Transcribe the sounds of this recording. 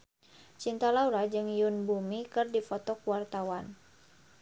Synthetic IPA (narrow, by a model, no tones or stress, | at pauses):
t͡ʃint̪alauɾad͡ʒɨŋjunbumikɨrdifɔt̪ɔkuwart̪awan